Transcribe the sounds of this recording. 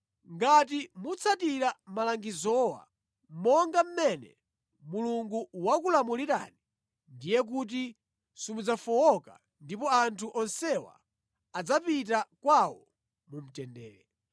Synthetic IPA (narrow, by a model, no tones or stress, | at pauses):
ŋɡat̬imut͡sʰatiɾamalaŋɡizɔwa̰ | mɔŋɡam̩mɛnɛ̰ | muluŋɡuwakulamuliɾa̰ni | ndijɛk̬ut̬i | sumud͡zafɔwɔka̰ | ndipɔantʰuʔɔnsɛwa̰ː | d͡zapitakwawɔ | mum̩tɛndɛ̰ːɾɛ